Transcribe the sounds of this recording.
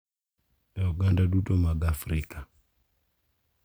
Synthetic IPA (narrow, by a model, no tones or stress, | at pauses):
ɗaɔɡandaɗutɔmaɡafɾika